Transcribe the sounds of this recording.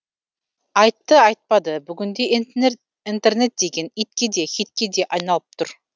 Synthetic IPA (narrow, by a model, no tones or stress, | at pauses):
ɑjt̪ːəɑjt̪̚pɑd̪əbʏɡʲʏnd̪e̞ | int̪e̞rne̞t̪̚d̪e̞ɡʲe̞nit̪kʲe̞d̪e̞xit̪̚kʲe̞d̪e̞ʔɑjnɑlˠəp̚t̪ʰʊɾ